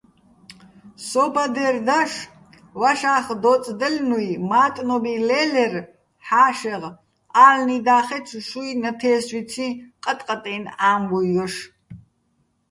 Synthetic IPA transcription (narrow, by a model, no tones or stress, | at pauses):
sɔbad̪ɛrd̪aʂ | waʃaːχd̪ɔt͡sʼd̪əlnujmaːt̪ʼnɔbilɛlɛr | ħaːʃɛʁ | aːlnid̪aːχɛt͡sʰuʃujnɐt̪ʰɛːsvit͡sʰiqʼət̪ʼqʼət̪ʼɛːnaːmwuɣɔʂ